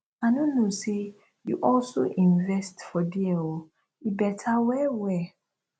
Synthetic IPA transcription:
anõnose | juʔɔlso̰ʔĩnvɛstfɔdiɛwo | ibɛtʰawɛwɛ

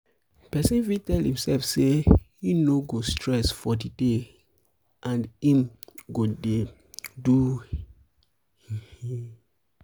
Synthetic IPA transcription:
pɛsĩnfitɛlĩmsɛlfseinoɡostʰɹɛsfɔdide | ʔãnĩmɡode | du | hihi

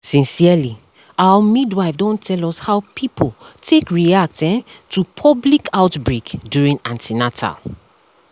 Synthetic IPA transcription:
sĩnsiali | awəmidwaɪfdɔ̃ntʰɛlɔshaʊpʰipʰoltʰekɹiak̚tɛ̃ntʰupʰɔblikʰaʊtbɹekdjuɹĩŋãntʰinatʰa̰l

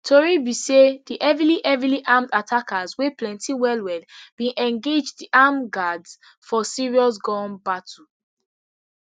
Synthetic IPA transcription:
tʰoɹibisediʔɛviliʔɛviliʔamdatʰakazweplɛ̃ntʰiwɛlwɛdbĩnʔɛ̃ŋɡed͡ʒdiʔamɡads | fɔsiɹiɔs̬ɡɔ̃nbatu

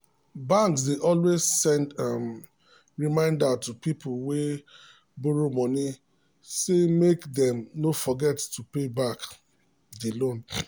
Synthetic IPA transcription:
bãŋksdeʔɔlwezsɛ̃ndam | ɹimãɪ̃ndatupipulwe | bɔɹomɔ̃ni | semekdɛ̃mnofɔɡɛtːupebak | delõn

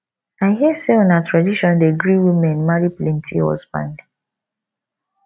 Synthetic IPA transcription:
aɪɦiɛseɔ̃natɹadiʃɔ̃ndeɡɹiwimɛ̃nmaɹiplɛ̃ntʰḭhɔ̰sbã̰nd

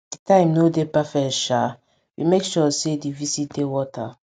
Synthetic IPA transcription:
d̥itãɪ̃mnodepɛfɛtʃa | wimekʃɔsedivisit̚dewɔtʰa

